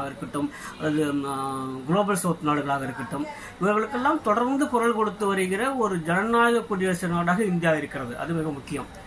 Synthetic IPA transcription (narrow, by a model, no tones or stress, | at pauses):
ɣɐɪɾɯkːɐʈːɯmɐðɯ | ɡɪloːbɐlsoːt̪naːɽɯɣɐɭaːɣɐɪɾɯkːɪʈːɯm | ɪʋɐɣɐɭɯkːɛlːaːmt̪ɔɽɐɾnd̪ɯkʊɾɐɭkɔɽɯt̪ːɯʋɐɾɯɣɪrɐɔɾɯd͡ʒɛnɐnaːɣɐkːʊɽɪjesɐnaːɽaːɣɐɪnd̪ɪjaːɪɾɯkːɪrɐðɯʔɐ̰ðɯmɪɣɐmʊkːɪjɐm